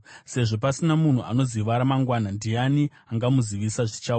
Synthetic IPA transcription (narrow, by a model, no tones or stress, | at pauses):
se̞ʐo̞pasinamun̤uʔa̰no̞ziʋaɾamaŋɡwanandijani | aŋɡamuziʋisaʐit͡ʃau